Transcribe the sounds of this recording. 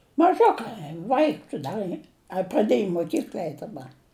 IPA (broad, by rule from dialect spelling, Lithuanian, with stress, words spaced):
mɐˈʒʊkɐɪ ˈʋɐɪks ˈdɐ iː ɐ prɐˈdʲiɛj ɪ moːˈkʲiːklʲɐ ˈɛɪt dɐˈbɐ